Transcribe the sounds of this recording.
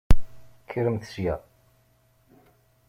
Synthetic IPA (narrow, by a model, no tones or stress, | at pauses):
kʰːɾəmθə̥sjæ̰